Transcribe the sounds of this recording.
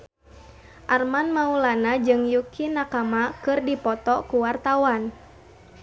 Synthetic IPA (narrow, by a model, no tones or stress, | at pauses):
ʔarmanmaulanad͡ʒɨŋjukʰinakamakɨrdipɔt̪ɔkuwart̪awan